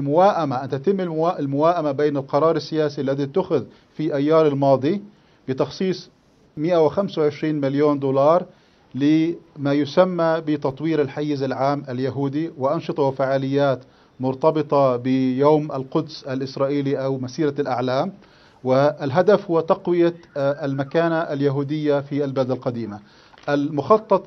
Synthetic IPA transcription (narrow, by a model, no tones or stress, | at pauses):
ʔalmʊwaːʔamaʔant̪at̪ɪmːɪlʔɪlmʊwaːʔamabeːnalqɑɾˤɑːɾˤɪsːɪjaːsiʔalːaðit̪ːʊxʊð | fiʔajːaːɾˤɪlmɑːd̪ˤi | bɪt̪ɑxsˤiːsˤ | mɪʔawɪxamsawʕɪʃɾiːnmɪljoːnd̪uːlɑːɾˤ | lɪmaːjʊsamːabɪt̪ɑt̪ˤwiːɾɪlħajːɪzalʕaːmʔaljaɦuːd̪iwɪʔɑnʃɨt̪ˤɑwɪfaʕaːlɪjːaːt̪ | mʊɾt̪ɑbɨt̪ˤɑbɪjaːmʔalqʊd̪salʔɪsɾˤɑːʔiːliʔawmasiːɾalʔaʕlaːm | wɪalɦad̪afhʊwːat̪ɑqwɪjalmakaːnaʔaljaɦuːd̪ɪjːafialbald̪alqɑd̪iːma | ʔalmʊxɑt̪ˤːɑt̪ˤ